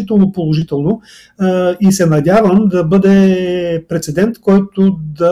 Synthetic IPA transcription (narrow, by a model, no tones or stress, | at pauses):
it̪ɛlˠnopolˠoʒit̪ɛlˠno | isɛnɐdʲjavəmd̪ɐbɤd̪ɛpɾɛt̪sɛd̪ɛnt̪kɔjt̪od̪ɐ